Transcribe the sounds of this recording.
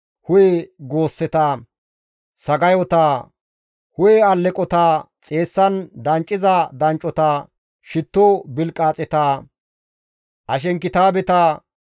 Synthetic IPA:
hʊjɛɡo̞ːsːɛt̪ɐː | sɐɡɐjɔt̪a | hʊjɛɐlːɛkʼɔt̪a | t͡sʼe̞ːsːɐnd̪ɐnt͡ʃʼːɪzɐd̪ɐnt͡ʃʼːɔt̪ɐ | ʃɪt̪ːobɪlkʼaːt͡sʼɛt̪aː | ʔɐʃ̬ɛŋkːɪt̪aːbɛt̪ɐ

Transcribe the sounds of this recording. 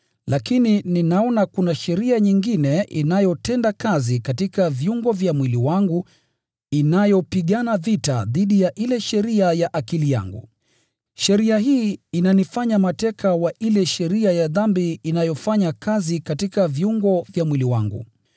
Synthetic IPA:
lakinininaɔnakunaʃɛɾiaɲiŋɡinɛʔinajɔtɛndakazikatikavjuŋɡɔvjamwiliwaŋɡu | inajɔpiɠanavita̰ðiɗijaʔilɛʃɛɾiajaʔakilija̰ŋɡṵ | ʃɛɾiahiːinanifaɲamatɛkʰawaʔilɛʃɛɾiajaðambiːnajɔfaɲakazikatikavjuŋɡɔvjamwiliwa̰ŋɡṵ

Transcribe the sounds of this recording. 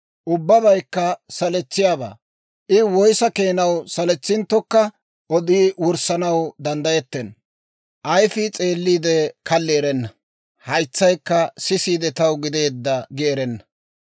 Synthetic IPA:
ʔʊbːɐbɐjkːɐsɐlɛt͡sːɪjaːba̰ː | ʔɪwɔjsɐke̞ːnɐwsɐlɛt͡sːɪnt̪ːɔkːɐ | ɔd̪iːwʊɾsɐnɐwd̪ɐnd̪ɐjɛt̪ːɛn | ʔɐjfɪt͡sʼe̞ːlːiːd̪ɛkʰɐlːeːɾɛnːɐ | hɐjt͡sːɐjkːɐsɪsiːd̪ɛt̪ɐwɡɪd̪e̞ːd̪ːɐɡeːɾɛnːɐ̥

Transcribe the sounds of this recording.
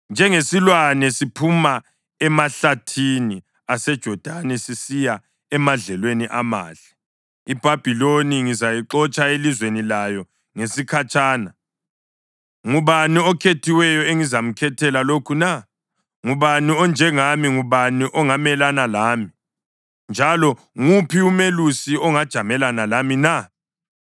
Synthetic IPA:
nd͡ʒʱɛŋesilwanɛsipʰuma | ɛmaɬatʰini | asɛd̥ʒ̥ʱɔd̥ʱanɛsisija | ɛmaɮɛlweniʔama̰ːɮ̥ɛ̥ | ib̥ʱab̥ʱiloniŋizajiǃɔt͡ʃʼaelizwenilajɔ | ŋesikʰat͡ʃʼaːna | ŋuβaniɔkʰetʰiwɛjɔeŋizam̩kʰɛtʰɛlalokʰuna | ŋuβaniɔnd͡ʒʱɛŋamiŋuβaniʔɔŋamɛlanalaːmi | nd͡ʒʱalɔ | ŋupʰiumelusiɔŋad̥ʒ̥ʱamɛlanalamina

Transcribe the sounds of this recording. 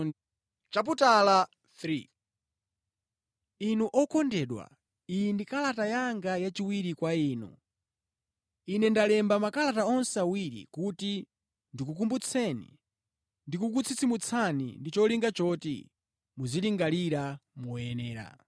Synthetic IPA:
t͡ʃap̬utala | θɾi | inuʔɔkʰɔndɛɗwa̰ | ijindikalatajaŋɡajat͡ʃiwiɾikwaiːnṵ | inɛndalɛmbamakalataɔnsɛawiɾḭkuti | ndikuk̬umbut͡sʰɛnḭ | ndikuk̬ut͡sʰit͡simut͡sʰanḭndit͡ʃɔliŋɡat͡ʃɔtḭ | muziliŋɡaliɾamuɛnɛːɾa̰

